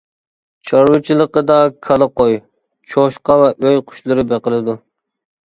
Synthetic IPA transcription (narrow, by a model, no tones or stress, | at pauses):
t͡ʃʰɑɾwɨt͡ʃʰilˠəqəd̪ɑkʰɑlˠəqoj | t͡ʃʰoʃqɑvɛʔøjqʰʊ̥ʃlˠɨɾɨbeqəlˠɨd̪u